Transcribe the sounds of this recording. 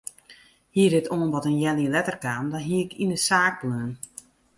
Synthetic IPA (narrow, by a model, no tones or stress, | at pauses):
hiədɪtʰoːənʋɔtənjɛljiəlɛtərkaːmdɔnɦiəɪkʰindəsaːk̚pløən